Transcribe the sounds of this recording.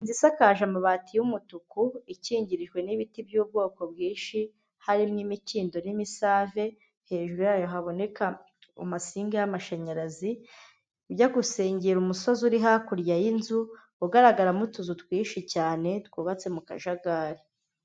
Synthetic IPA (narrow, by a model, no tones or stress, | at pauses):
inzisakaːʒamaβaːtʰijumutukuiciːɲɟiɾiʒɡwe̞niβitibjuːb̚ɡo̞ːko̞bɡiːnʃi | haɾimŋimiciːndo̞nimisaːve̞ | he̞ːʒuɾujaːjo̞ɦaβo̞ne̞ka | ṵmasiːŋɡejamaʃaɲaɾazi | bɟaɡuse̞ːɲɟeɾumuso̞zuɾiɦakuɾjajinzu | uɡaɾaɡaɾamutuzutwiːʃicaːne̞twuːβat͡se̞muka̰ʒaɡaːɾi